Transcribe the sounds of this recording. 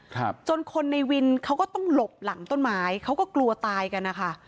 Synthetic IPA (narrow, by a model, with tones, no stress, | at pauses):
kʰt͡ɕo˧nkʰo˧nːa˧jwi˧nkʰa˦˥wkɔː˥˩t̪ɔ˥˩ŋlo˨˩p̚la˩˦ŋt̪o˥˩nmaː˦˥jkʰa˦˥wkɔː˥˩klu˧ɐt̪aː˧jka˧nːa˦˥kʰa˦˥˩ʔ